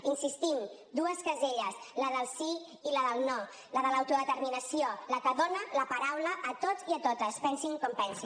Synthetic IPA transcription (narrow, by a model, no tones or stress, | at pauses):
insist̪imd̪uəskəzeʎəsləðəlˠsiː | ləðəlˠnɔ | ləðələwt̪uðət̪əɾminəsioləkəðonələpəɾawləʔːt̪oziət̪ot̪əspɛnsiŋkɔmpɛnsin